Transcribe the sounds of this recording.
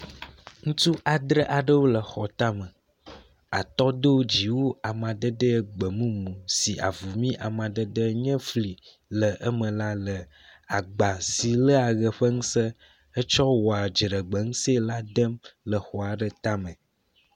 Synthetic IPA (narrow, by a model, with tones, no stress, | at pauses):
ŋũ˦t̪u˦ʔa˨d̪ɾə˦ʔa˨ɖə˦wo˦lə˨xɔ˨t̪a˦mə̃˨ | a̰˨t̪ɔ˦d̪o˦d͡ʑi˨wo˦a˨mã˨d̪ə˦də˦ɡ͡bə˨mũ˦mũ˨si˨ʔa̰˨vu˨mĩ˦ʔa˨mã˨d̪ə˦d̪ə˦ɲɛ̃˦fli˨ | lə˨ʔə˦mə̃˨la˦lə˨ | a˨ɡ͡ba˨si˨lə˦a˨ɣə˨ɸə˦ŋũ˦sə˦ | ə˦t͡ʃɔ˦wɔ˨a˨d͡ʒɾə˨ɡ͡bə˨ŋ̩̃˦se˦la˦d̪ə˦mlə˨xɔ˨a˨ɖə˦t̪a˦mə̃˨